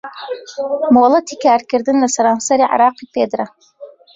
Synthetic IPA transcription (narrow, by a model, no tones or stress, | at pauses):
moːlˠɐt̪ʰiːkʰaːɾkɨɾd̪ɨnlɐsɐɾɑːnsɐɾiʕa̰ɾɑːqiːpʰeːd̪ɾɐ